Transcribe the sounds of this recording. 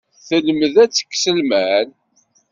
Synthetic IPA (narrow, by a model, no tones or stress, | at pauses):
θələməðæt͡sːə̥kːsəlmæn